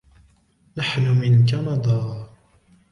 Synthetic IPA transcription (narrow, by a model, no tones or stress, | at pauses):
naħnʊmɪnkanɑd̪ˤɑː